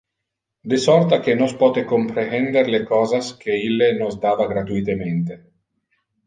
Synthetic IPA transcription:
d̪esɔrt̪akenospɔːt̪ekompɾeɛnd̪eɾlekɔːzaskeilːenozd̪aːvaɡɾat̪uit̪ement̪e

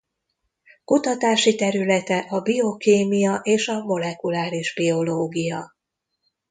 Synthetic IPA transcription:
kut̪ɒt̪aːʃit̪ɛɾylɛt̪ɛʔɒbio̞keːmijɒʔeːʃɒmo̞lɛkulaːɾiʒbio̞loːɡijɒ

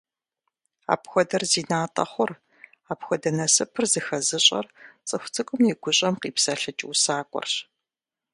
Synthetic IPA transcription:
a̰ːpxʷɔdɐrziːnaːtʼɐ̰χʷʊr | aːpxʷɔdɐnɐsɨpʰɨrzɨxɐzɨɕʼɐ̰rt͡sʼɨxʷt͡sʰɨkʷʼʊmjiɡʷʊɕʼɐmqiːpsɐɬɐt͡ʃʼɪusaːkʷʼɔ̰rɕ

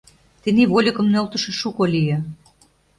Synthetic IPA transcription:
t̪eniβolʲikə̆mnølt̪ə̆ʃĕʃukolʲijĕ

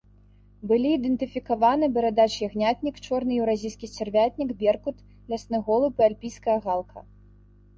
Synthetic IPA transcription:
bɨlʲiːd̪ɛnt̪ɨfʲikavanɨbʲɛɾad̪at͡ʂjʲɛɣnʲat̪ʲnʲikt͡ʂɔrnɨjɛwɾazʲijskʲit͡sʲɛrvʲat̪ʲnʲikbʲɛrkut̪ | lʲasnɨɣɔlˠɨpɨalʲpʲijskɐjɐɣalˠkʰɐ̰

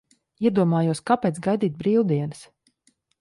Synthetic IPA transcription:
iɛd̪uɔmaːjuɔskapɛːt̪sɡajd̪iːt̪̚bɾiːwˠd̪iɛnɨs

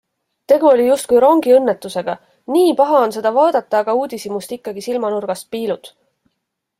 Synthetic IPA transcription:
t̪e̞ɡ̥uo̞lʲijust̪̚kujɾo̞ŋɡ̥iɤnːet̪ːˑuse̞ɡ̥ɑ | niːpɑɦɑo̞nse̞d̪̥ɑvɑːd̪̥ɑt̪ːˑɑːɡ̥ɑuːd̪isimust̪ikˑːɑɡisilmɑnurɡ̥ɑst̪̚piːlud̪̥

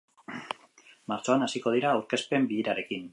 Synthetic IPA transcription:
maɾt͡so̞anasiko̞ð̞iɾaːwɾke̞spe̞mbiiɾaɾe̞kin

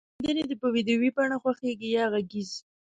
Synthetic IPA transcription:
d̪əned̪əpəwid̪jowipɑɳaxwaxeɡijɑɣaɡiz

